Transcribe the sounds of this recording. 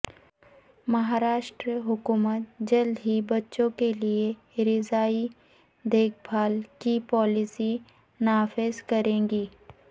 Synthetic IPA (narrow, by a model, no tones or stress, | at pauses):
mɐɦaːɾaːʃʈɾəɦʊkuːmət̪̚d͡ʒɐld̪ɦibɐtːʃõkelie | ɾɪzaːi | d̪eːk̚ʰbʱaːlkipɔːlɪsi | naːfɪzkɐɾẽːŋɡiː